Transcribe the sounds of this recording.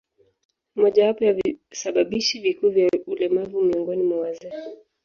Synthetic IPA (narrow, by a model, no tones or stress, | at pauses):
mɔʄawapɔjavisaɓaɓiʃivikuːvjaulɛmavumiɔŋɡɔnimwawazɛki